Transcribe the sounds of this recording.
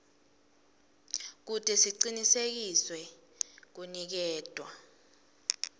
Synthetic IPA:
k̬utʼɛsiǀinisek̬iswɛ | k̬unik̬ɛːd̥ʼʱwa

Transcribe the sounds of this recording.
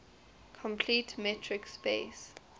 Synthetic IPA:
kʰɔ̃mpʰlitmɛtʰɹɪkspes

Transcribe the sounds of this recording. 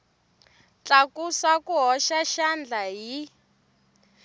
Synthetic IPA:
t͡ɬakusakuɦɔʃaʃand͡ɮaɦi

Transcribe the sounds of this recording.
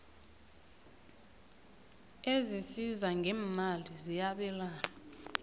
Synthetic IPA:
ezisizaŋɡʱɛːmalizijaɓɛlaːna

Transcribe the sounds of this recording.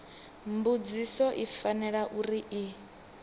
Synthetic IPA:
mbud͡zisɔʔifanɛɺaʔuɾiʔi

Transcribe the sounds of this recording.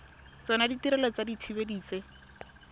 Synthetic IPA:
t͡sɔnaditiɾɛlɔt͡sadit͡sʰibediːt͡se

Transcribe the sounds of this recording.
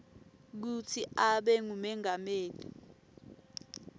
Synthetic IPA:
k̬ut͡sʰiʔaɓɛŋumɛŋameːli

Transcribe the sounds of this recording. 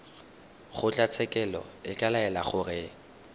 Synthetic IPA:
χʊt͡ɬʼat͡sʰɛkʼɛlɔ̰ɪkʼalaɛlaχʊrɪ

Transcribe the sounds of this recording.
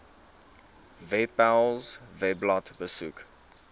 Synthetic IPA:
vɛpalzvɛblɔtbəsuk

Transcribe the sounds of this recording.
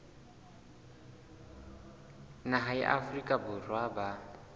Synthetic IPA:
naɦaḭʔa̰frikʼabʊrwaba

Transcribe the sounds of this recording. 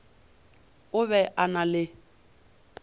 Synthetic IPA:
ʊβɛʔanalɪ

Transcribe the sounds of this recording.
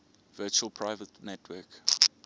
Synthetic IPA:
vɜːˑt͡ʃuəlˠpʰɹaɪvətnɛtʰwɜːk

